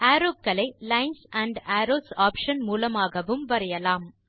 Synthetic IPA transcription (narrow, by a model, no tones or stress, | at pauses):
aːɾoːb̚kɐlɐɪlɐɪnsɐɳɖaːɾoːsaːpʂɐnmuːlɐmaːɣɐʋɯmʋɐɾɐjɐlaːm